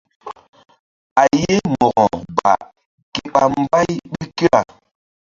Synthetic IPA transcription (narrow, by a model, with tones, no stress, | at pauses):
a˨je˦mɔ˨ɣɔ˨ɡ͡ba̰˨ | ke˦ɓa˨m̩˦ba˦jɓi˦ke˦wa˨